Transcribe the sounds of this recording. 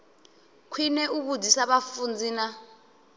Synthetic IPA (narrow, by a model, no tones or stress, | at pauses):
kʰwinɛuɓudisaɓafund͡zʱiːna